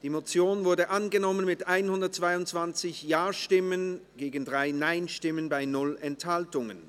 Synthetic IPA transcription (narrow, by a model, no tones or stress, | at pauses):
d̥iːmot͡sjoːnvʊɐdəʔanɡənɔmənmɪtʔaɪnhʊndɐt̚t͡sv̥aɪʊntt͡sv̥ant͡sɪçjaːɐʃtɪmənɡ̥eːɡn̩dʁaɪnaɪnʃtɪmənbaɪnʊlɛnthaltʊŋə̰n